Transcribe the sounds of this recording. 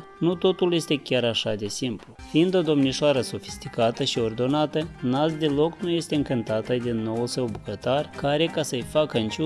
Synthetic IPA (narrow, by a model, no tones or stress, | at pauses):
nut̪o̞t̪ulje̞st̪e̞kʲaɾaʃad̪e̞simplufiind̪o̞d̪o̞mniʃoaɾəso̞fi̥st̪ikat̪əʃio̞rd̪o̞nat̪ənasd̪e̞lo̞knuje̞st̪e̞ɨŋkɨnt̪at̪əd̪inːo̞wulsəwbukət̪arkaɾe̞kasəjfakəɨnt͡ʃu